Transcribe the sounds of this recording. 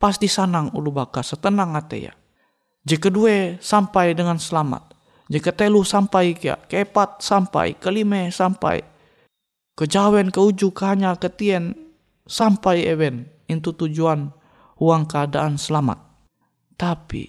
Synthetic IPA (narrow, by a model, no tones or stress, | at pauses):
pasd̪isanaŋṵlubakasət̪ənaŋat̪ḛja̰ | d͡ʒɛkəduɛsampajdəŋansəlama̰t̪̚ | d͡ʒəkət̪ɛlusampajkja̰kəepat̪̚sampa̰j̰kəlimɛsampa̰j̰ | kəd͡ʒawɛnkəud͡ʒukəɦaɲakət̪iɛn | sampajɛwɛn | int̪ut̪ud͡ʒuan | uaŋkəadaansəlama̰t̪̚ː | apḭ